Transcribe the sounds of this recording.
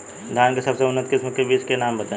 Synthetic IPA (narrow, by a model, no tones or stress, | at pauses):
d̪ʱaːnkesɐbseʊnːət̪kɪsməkebiːskenaːmbət̪ãː